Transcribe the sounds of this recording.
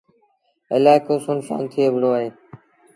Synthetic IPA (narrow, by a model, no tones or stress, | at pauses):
ə̰laːɦkoːsʊnsa̰ːnt̪ʰiːəbʱɽoːaːɦeː